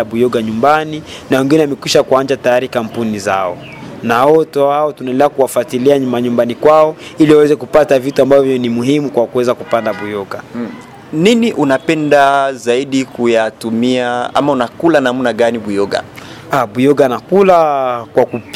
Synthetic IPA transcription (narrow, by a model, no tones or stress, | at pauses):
aɓujɔɡaɲumbaninawɛŋɡinɛwamɛkwiʃakuand͡ʒatajaɾikam̩puniza̰ɔ | naɔtɔaɔtunaɛnlɛakuwafwatiliaɲumaɲumbanikwaɔiliwawɛzɛkupatavituambavjɔnimuɦimukwakuwɛzakupandaɓujɔɡa | niniʔunapɛndazaiɗikujatumiaa̰maunakulanam̩naɠaniɓujɔɡa̰ | aɓujɔɡanakulakwaku